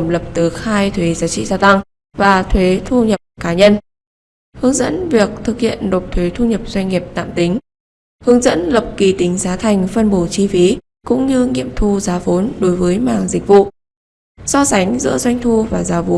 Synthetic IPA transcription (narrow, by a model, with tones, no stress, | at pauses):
mlə˨˩p̚t̪ɨ˨˦˩xaː˧jt̪ʰwe˨˦zaː˨˦t͡ɕḭ˧˨zaː˧t̪a˧ŋ | vaː˨˩t̪ʰwe˨˦t̪ʰu˧ɲə˨˩p̚kaː˨˦ɲə˧n | hɨ˨˦əŋzə̰˧˥nvi˨˩ək̚t̪ʰɨ˨˩k̚hḭ˧˨ənɗo˨˩t̚t̪ʰwe˨˦t̪ʰu˧ɲə˨˩p̚z̥wa˧jŋ̟ːi˨˩əp̚t̪a̰ː˧˨mt̪ï˨˦ŋ̟ | hɨ˨˦əŋzə̰˧˥nlə˨˩p̚ki˨˩t̪ï˨˦ŋ̟zaː˨˦t̪ʰa˨˩jŋ̟fə˧nɓo˧˩t͡ɕi˧fi˨˦ | kʊ̰˧˥ŋ͡mɲɨ˧ŋḭ˧˨əmt̪ʰu˧zaː˨˦fo˨˦nɗo˨˦jvəː˨˦jmaː˨˩ŋzi˨˩k̟̚vṵ˧˨ | sɔ˧sa˨˦jŋ̟zɨ̰˧˥əzwa˧jŋ̟t̪ʰu˧vaː˨˩zaː˨˦wvṵ˧˥